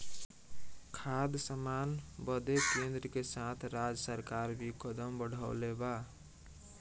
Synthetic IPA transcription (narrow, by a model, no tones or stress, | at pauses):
kʰad̪səmanbəd̪ekend̪ɾəkesat̪ʰɾad͡ʒsəɾkaɾbʱikəd̪əmbəɽʱa̰ʊleba